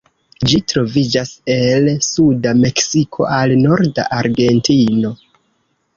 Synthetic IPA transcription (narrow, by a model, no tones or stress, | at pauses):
d͡ʒitɾo̞vid͡ʒase̞lsudame̞ksikʰo̞̰ʔalno̞ɾda̰ʔaɾɡe̞ntʰino̞